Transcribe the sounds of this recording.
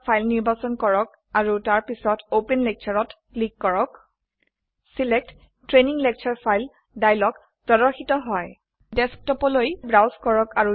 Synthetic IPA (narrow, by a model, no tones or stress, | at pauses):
pʰajlniɹbasɔnkɔɹɔk | aɹutaɹpisɔtopɛnlɛk̚t͡ʃʰaɹɔtplikːɔɹɔk | silɛk̚t | tɹeniŋlɛk̚t͡ʃʰɔɹpʰajl | dajlɔk | tɔdɔɹxitɔɦɔj | dɛsk̚tɔpɔlojbɹawskɔɹɔkaɹu